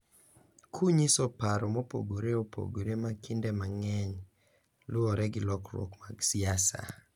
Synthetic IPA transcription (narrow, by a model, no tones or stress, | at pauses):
kʰuɲisopaɾɔmɔpo̰ɡoɾeopʰo̰ɡoɾemakʰindɛmaŋɛɲ | lʊɔɾɛɡɪlɔkɾwo̰kmaɡsiasa̰